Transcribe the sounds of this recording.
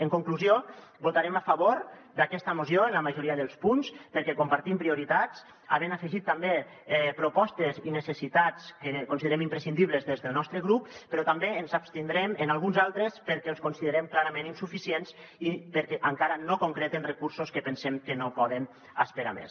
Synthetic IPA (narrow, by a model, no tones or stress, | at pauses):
əŋkuŋkluzio | but̪aɾemafaβoɾd̪akɛst̪əmuzjoenləmaʒuɾiəðəlˠspunspəɾkɛkumpaɾt̪impɾiuɾit̪at͡s | aβenafəʒit̪ːambe | ɛpɾupɔst̪ezinəsəsit̪at͡skekunsiðəɾɛmimpɾəsind̪iβləzðezðəlˠnɔst̪ɾəɣɾuppəɾɔt̪ambeənzapst̪ind̪ɾɛmənalˠɣunzalˠt̪ɾəspəɾkɛlˠskunsiðəɾɛmklaɾamẽninsufisiens | ipəɾkɛʔaŋkaɾənokoŋkɾet̪enrəkuɾsoskəpənsɛmkənopɔðən | aspeɾa̰mḛs